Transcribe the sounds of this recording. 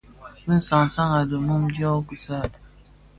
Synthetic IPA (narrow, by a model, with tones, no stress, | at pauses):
bi˦n̩˦sa˨ŋ˨sa˦ŋa˨də˨mu˦m˦djɔ˦ku˨sa˦˨d